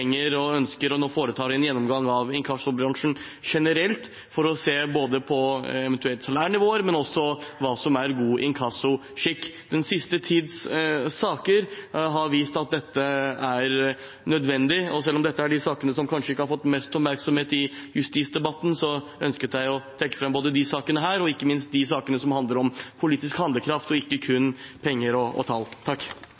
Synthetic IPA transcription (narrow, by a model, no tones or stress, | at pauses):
ɛŋːəɾɔœnskəɾɔnoːfoːɾət̪ʰɑːɾɛnjɛnːɔmɡɑŋːɑʋɪŋkʰɑsʊbɾɑŋʂn̩ | ʂɛnəɾɛlt̪ | fɔɾɔseːboːd̪əpʰɔɛʋɛnt̪ʰʉɛlt̪sɑlæːɳɪʋoːəɾmɛnɔsɔʋɑːsɔmæɾɡuːʔɪŋkʰɑsʊ | ʂɪkːd̪̥ɛnsɪst̪ət̪ʰiːd̪ssɑːkəɾɦɑɾʋiːst̪ɑt̪̚d̪ɛt̪ːəæɾ | nœd̪ʋɛnd̪ɪɔsɛlːɔmd̪ɛt̪ːəæɖɪsɑːkənəsɔmkʰɑnʂəɪkːəhɑɾfɔt̪ːmɛst̪ɔpmæɾksɔmheːt̪ɪjʉst̪iːsd̪ɛbɑt̪ːn̩sɔ | œ̰nskət̪d̪æɪɔt̪ʰɛkːə̥fɾɛmboːd̪əd̪ɪsɑːkənəɦæːɾɔɪkːəmɪnst̪̚d̪ɪsɑːkənəsɔmhɑnd̪ləɾɔmpʰʊliːt̪ɪskhɑnd̪əkʰɾɑft̪ɔɪkːəkʰʉnpʰɛŋːəɾɔɔ̰t̪ʰɑlt̪ʰɑkː